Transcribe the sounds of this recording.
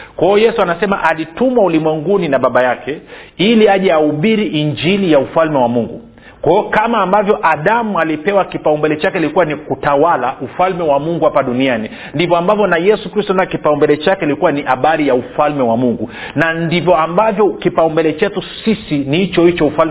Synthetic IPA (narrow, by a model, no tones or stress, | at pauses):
kwaɔjɛsuanasɛmaʔalitumwaulimwɛŋɡuninaɓaɓajakʰɛiliaʄɛauɓiɾiʔiɲd͡ʒilijaufalmɛwamuŋɡṵ | kwaɔkamaːmbavjɔʔaɗamualipɛwakipaumbɛlɛt͡ʃakɛilikuwanikutawalaufalmɛwamuŋɡuhapaɗuniani | ndivɔambavjɔnajɛsu̥kɾistɔnakipaumbɛlɛt͡ʃakɛilikuwaniʔaɓaɾijaufalmɛwamuŋɡunandivjɔambavjɔkipaumbɛlɛt͡ʃɛtusisinihit͡ʃɔhit͡ʃɔufal